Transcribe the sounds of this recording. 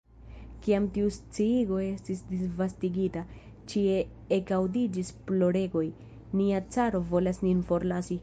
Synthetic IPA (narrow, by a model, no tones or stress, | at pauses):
kiamtiust͡siiɡo̞e̞stisdisvastiɡita | t͡ʃie̞ | ekawdid͡ʒisplo̞ɾe̞ɡo̞j | niat͡saɾo̞vo̞lasninfo̞ɾlasi